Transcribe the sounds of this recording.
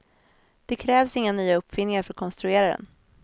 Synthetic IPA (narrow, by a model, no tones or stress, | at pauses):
d̪̥ɛkʰɾɛːvsɪŋːanyːaɵpːfɪnːɪŋaɾfœɾɔt̪kʰɔnst̪ɾɵeːɾad̪ɛ̰n